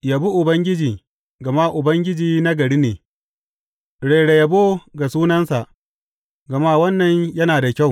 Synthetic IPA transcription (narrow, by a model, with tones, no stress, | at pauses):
ja˨bu˦ʔʊ˨bɐ˦ŋɡʲɪ˦d͡ʒiː˨ | ɡɐ˨ma˦ʔʊ˨bɐ˦ŋɡʲɪ˦d͡ʒiː˨na˦ɡɐ˨ɽiː˦neː˨ | ɽeː˨ɽe˨ja˨bo˦ɡa˨suː˦nɐ˦nsa˨ʔ | ɡɐ˨ma˦wɐ˦nːɐ˨ɲjɐ˦naː˨da˨kʲa˦˨w